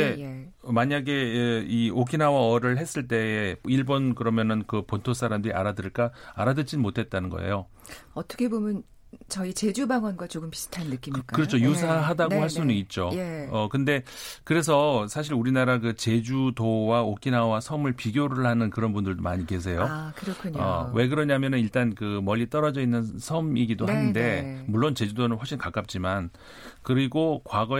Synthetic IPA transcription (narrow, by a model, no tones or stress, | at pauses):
e | maɲaɡe̞iokʰinawaʌɾɯɭɦe̞s͈ɯɭt̬͈e̞eiɭbonkɯɾʌmjʌnɯnkɯpontʰos͈ʰaɾamdɯɾia̰ɾadɯɭk͈aaɾadɯd͡ʑinmotʰe̞t̚t͈anɯnɡʌ̰ḛjo | ʌt͈ʰʌkʰe̞bomjʌn | t͡ɕʌit͡ɕe̞d͡ʑubaŋwʌnɡwat͡ɕoɡɯmpi̥s͈ʰɯ̥tʰannːɯk͈imk͈kɯɾʌt͡ɕʰojusʰaɦadaɡohaɭs͈unɯnit̚t͡ɕ͈oeʌkɯnde̞kɯɾe̞s̬ʰʌsʰaɕ̬ʰiɾuɾinaɾak̬ɯt͡ɕe̞d͡ʑudowaok͈inawasʰʌmɯɭpiɡjoɾɯɭhanɯnkɯɾʌnbundɯɭdomaɲike̞s̬ʰe̞jokɯɾʌkʰɯɲʌ̰we̞ɡ̬ɯɾʌɲaɦmjʌnɯniɭt͈ankɯmʌʎːit͈ʌɾʌd͡ʑʌinːɯnsʰʌmiɡidoɦanɯnde̞muɭːont͡ɕe̞d͡ʑudonɯnɸwʌɭɕʰinkak͈ap̚t͡ɕ͈iman | kɯɾiɡokwaɡʌ